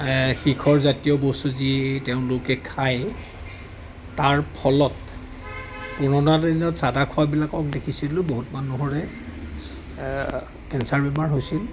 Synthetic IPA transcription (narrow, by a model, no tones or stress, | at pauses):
xikʰɔɹzatijɔbosuziteʊ̃lʊkɛkʰaj | taɹpʰɔlɔt | punɔnatainɔtsadakʰɔabilakɔk̚dekʰisilʊ̃boɦutmanuɦoɹɛ | kɛnsaɹbɛmaɹɦojsil